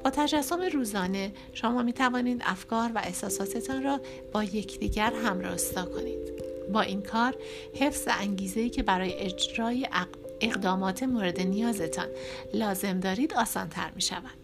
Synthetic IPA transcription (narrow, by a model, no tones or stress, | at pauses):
b̥ɒːt̪ʰæd͡ʒæsːomeɾuːzɒːne̞ | ʃomɒːmiːt̪ʰævɒːniːd̪æ̰fkɒːɾvæ̰ʔe̞hsɒːsɒːt̪ʰe̞t̪ʰɒːnrɒː | b̥ɒːje̞cʰd̪iːɟæɾɦæmɾɒ̰hst̪ɒːkʰo̞niːd̪̥bɒːʔinkʰɒːɾ | he̞fz̥væʔæŋɟiːze̞iːcʰe̞bæɾɒːje̞ʔed͡ʒɾɒːje | eɣd̪ɒːmɒːt̪ʰe̞moːɾe̞d̪e̞nijɒːze̞t̪ʰɒ̰ːnlɒːze̞md̪ɒːɾiːd̪ɒːsɒ̰ːnt̪ʰæ̰ɾmiːʃæ̰vænd̪̥